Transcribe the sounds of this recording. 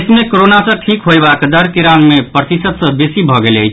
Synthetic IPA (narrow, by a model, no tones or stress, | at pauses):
smekoɾonasə̃ʈʰikɦojbakd̪əɾkiɾanmepɾət̪isət̪sə̃besibʱɔɡelə̰jt͡ʃʰ